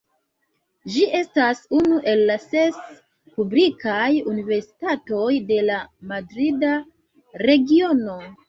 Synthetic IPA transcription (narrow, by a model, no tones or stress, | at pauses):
d͡ʒiʔe̞stasunuʔe̞lːase̞s | publikajunive̞ɾsi̥tato̞jde̞lamadɾida | ɾe̞ɡio̞no̞